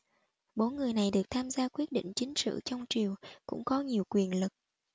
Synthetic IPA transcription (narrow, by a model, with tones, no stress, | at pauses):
ɓo˨˦nŋɨ˨˩əjna˨˩jɗɨ˨˩ək̚t̪ʰaː˧mzaː˧kwi˦˥ət̚ɗḭ˧˨ŋ̟t͡ɕï˨˦ŋ̟sɨ̰˧˨t͡ɕɔ˧wŋ͡mt͡ɕi˨˩əwkʊ̰˧˥ŋ͡mkɔ˨˦ɲi˨˩əwkwi˨˩ənlɨ˨˩k̚